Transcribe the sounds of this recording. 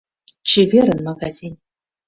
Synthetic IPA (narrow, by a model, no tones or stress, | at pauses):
t͡ɕivʲeɾɘ̆nmaɡazʲinʲ